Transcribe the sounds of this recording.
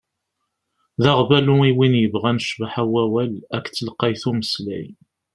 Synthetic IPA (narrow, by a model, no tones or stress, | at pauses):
ðɑʁvæluiwinjəvʁænʃvaħæwæwælækːt͡sːəlqɑjθuməslæ̰j